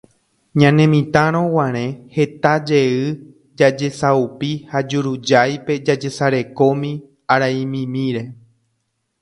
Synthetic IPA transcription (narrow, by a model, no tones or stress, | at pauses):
ɲãnẽmĩt̪ãɾ̃õwãɾ̃ẽ̞he̞t̪ad͡ʒe̞ɨ | d͡ʒad͡ʒe̞saupihad͡ʒuɾud͡ʒajpe̞d͡ʒad͡ʒe̞saɾe̞ko̞mĩ | aɾaĩmĩmĩɾe̞